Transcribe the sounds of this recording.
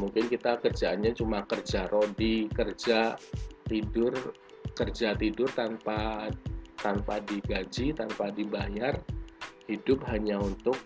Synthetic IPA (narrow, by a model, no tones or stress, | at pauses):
muŋkɪnkit̪akərd͡ʒaːnɲat͡ʃumakərd͡ʒaɾodikərd͡ʒat̪idʊr | kərd͡ʒat̪idʊrt̪anpa | t̪anpadiɡad͡ʒit̪anpadibajarhidʊp̚ɦaɲaunt̪ʊk̚